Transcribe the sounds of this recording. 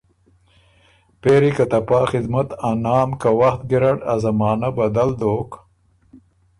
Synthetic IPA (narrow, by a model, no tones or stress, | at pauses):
peːɾikɐt̪ɐpaːxɪd̪mɐt̪anaːmkɐwɐxt̪̚ɡiɾɐɽɐzɐmaːnɐbɐd̪ɐld̪oːk